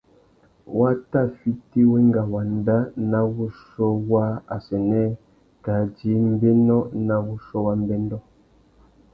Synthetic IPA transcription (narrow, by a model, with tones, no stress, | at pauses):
wʔa˦ta˦˨fi˦ti˦we˦ŋ˦ɡa˨wa˨n˦da˦na˦wu˦ʃɔ˦wa˦a˨sɛ˨nɛ˦ | ɡa˨˦d͡ʒi˨˦m̩˦be˦nɔ˦na˦wu˦ʃɔ˦wa˦m˦bɛ˦n˦dɔ˦˨